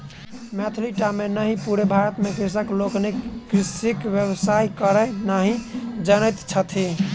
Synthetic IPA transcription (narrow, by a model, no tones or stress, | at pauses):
mɛt̪ʰliʈamenəɦipuɾebʱaɾət̪mekɾisəkloknekɾisikʋjəbsaikəɾənaɦid͡ʒənəjt̪t͡ʃʰət̪ʰi